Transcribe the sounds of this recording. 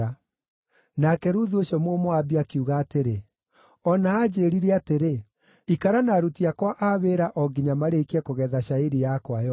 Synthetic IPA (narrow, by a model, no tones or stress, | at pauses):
a | nakɛɾuðuoɕɔmomɔabiakiuɣaːteɾe | ɔnaːd͡ʑeːɾiɾɛateɾe | ikaɾanaɾutiakwaʔaβeɾaʔɔɡiɲamaɾeikɛkoɣɛːðaʃaeɾijakwajɔ